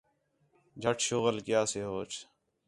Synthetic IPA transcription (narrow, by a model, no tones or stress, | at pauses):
d͡ʒʱəʈʰʃoːɣəlkjaːseːɦoːt͡ʃʰ